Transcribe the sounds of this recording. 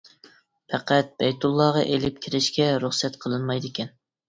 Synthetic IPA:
pʰɛqæt̪̚b̥ɛjt̪ʰulˠːɑʁɑʔelɪp̚kʲʰiɾɪʃkʲɛɾuχsɛt̪qʰəlˠɨnmɑjd̪ɪkʲʰɛn

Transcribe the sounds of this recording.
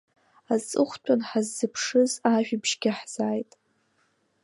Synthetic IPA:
azt͡sʼɨχʷtʷʰʼanħazːɨpʰʂɨzaʒᶣibʒɡʲɪħz̥aːjtʼ

